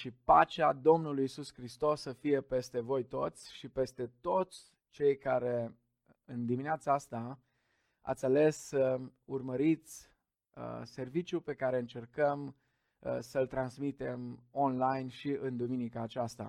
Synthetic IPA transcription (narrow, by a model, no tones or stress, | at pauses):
ʃipat͡ʃad̪o̞mnulujisuskɾist̪o̞sːəfije̞pe̞st̪e̞vo̞jt̪o̞t̪sʲʃipe̞st̪e̞t̪o̞t̪sʲ | t͡ʃe̞jkaɾe̞ | ɨnd̪imineat̪saast̪a | a̰t̪sʲale̞surməɾit̪sʲ | se̞rvit͡ʃʲjupe̞kaɾe̞ɨnt͡ʃe̞rkəm | səlt̪ɾansmit̪e̞mo̞nlajnʃiɨnd̪uminikaːt͡ʃast̪a̰